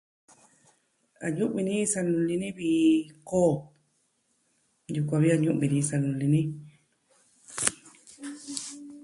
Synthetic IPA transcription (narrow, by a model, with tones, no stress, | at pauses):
a˨ɲũ˦ʔβĩ˧nĩ˦˧sa˧nũ˧lĩ˧nĩ˦βi˧koː˦˨ | ju˧kʷã˧βi˦a˧ɲũ˦ʔβĩ˧nĩ˧sa˧nũ˧lĩ˧nĩ˦